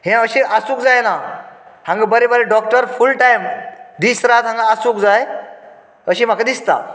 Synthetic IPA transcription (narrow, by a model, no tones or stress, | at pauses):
hẽəɕĩʔasũːkd͡zajnahãŋɡabəɾebəɾeɖɔk̚ʈəɾfulʈajmd̪isɾat̪ɦãŋɡaasũkd͡zaj | əɕim̤akad̪ist̪a̰